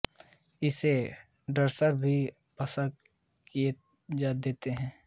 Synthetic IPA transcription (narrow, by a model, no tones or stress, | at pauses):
ɪseɖəɾsəɾbʱi | pɐsə | kie | d͡ʒaːd̪eːt̪eɦɛ̃ː